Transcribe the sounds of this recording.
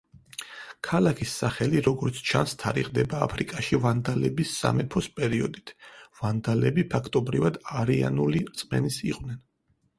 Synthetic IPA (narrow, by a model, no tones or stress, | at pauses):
kʰalakʰisːaχɛliɾɔɡɔɾt̪sʰt͡ʃʰa̰nst̪ʰaɾḭʁd̪ɛba̰ːpʰɾikʼaʃivand̪alɛbisːa̰mɛpʰɔspʼɛɾiɔd̪it̪ʰvand̪alɛbipʰakʰt̪ʼɔbɾivad̪aɾia̰nuliɾt̪sʼmɛ̰nisiqʼwnɛn